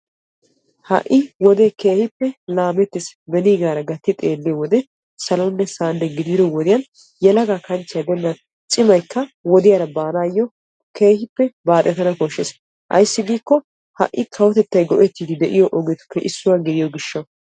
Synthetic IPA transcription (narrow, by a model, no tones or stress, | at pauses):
hɐ̰ʔɪwɔd̪eke̞ːhɪpːɛlaːmɛt̪ːɪsbɛniːɡaːɾɐɡɐt̪ːɪt̪ʼe̞ːlːɪjɔwɔd̪ɛ | sɐlɐnːɛsaːnd̪ɛɡɪd̪ɪd̪ɔwɔd̪ɪjɐn | jɛlɐɡaːkɐnt͡ʃːɪjɐd̪ɔnːɐn | t͡ʃʼɪmɐjkːɐwɔd̪ɪjaɾɐbaːnaːjːɔ | keːhɪpːɛbaːt̪ʼːɛt̪ɐnɐkɔʃːes | ʔɐ̰jsːɪɡiːkːɔ | hɐ̰ʔːɪkʰɐwɔt̪ɛt̪ːɐjɡɔʔɛt̪ːiːd̪ɪd̪ɛʔɪjɔʔɔɡɛt̪ʊ̥kʰːɛʔɪsːʊwaɡɪd̪ɪjɔɡɪʃːɐ